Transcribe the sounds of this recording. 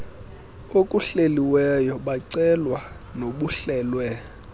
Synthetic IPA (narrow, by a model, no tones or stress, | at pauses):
okʼuɬeliwɛjɔɓaǀɛlwa | noɓuɬɛːlwɛ